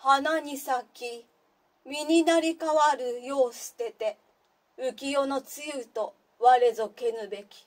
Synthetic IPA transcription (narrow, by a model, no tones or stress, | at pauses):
hanaɲ̟isakʲi | mʲiɲ̟inaɾʲikaβaɾɯ̟jo̞ːsɨ̥t̪e̞t̪e̞ | ɯ̟kʲijo̞no̞t͡sɨjɯːt̪o̞ | βaɾe̞zo̞ke̞nɯ̟be̞kʲi̥